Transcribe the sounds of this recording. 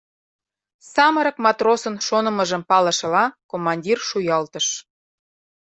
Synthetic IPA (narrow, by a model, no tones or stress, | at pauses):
sɑməɾɤ̆kmɑt̪rosənʃonə̆məʒə̆mpɑlə̆ʃɤ̆lɑkomːɑnʲdʲirʃujɑlt̪əʃ